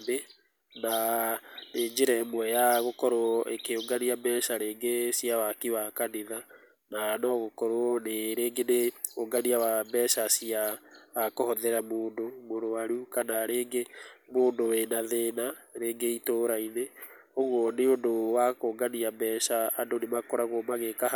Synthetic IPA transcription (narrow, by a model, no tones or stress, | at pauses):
be | na | neːɲd͡ʒeɾɛmwɛjaɣokɔɾoʔekeoŋɡaniabɛʃaɾeːŋɡesiawakiwakaniða | nanɔɣokɔɾoneɾeːŋɡeneoŋɡaniawabɛʃasiaːkohɔðɛɾamoːndomoɾoaɾukanaɾeːŋɡemoːndowenaðeːnaɾeːŋɡeitoɾaineoɣwɔneondowakoːŋɡaniabɛʃaandonemakoɾaɣomaɣeka